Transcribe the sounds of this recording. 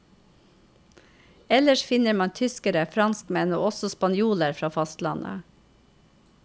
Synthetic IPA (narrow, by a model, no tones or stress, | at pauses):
ɛləʃfɪnəɾmɑnt̪ʰʏskəɾəfɾɑnskmɛno̰ːɔsɔspɑnjuːləɾfɾɑːfɑst̪lɑnə̰